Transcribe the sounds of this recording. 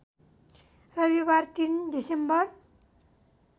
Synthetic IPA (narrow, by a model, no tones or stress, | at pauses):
rʌbibart̪ind̪isembʌr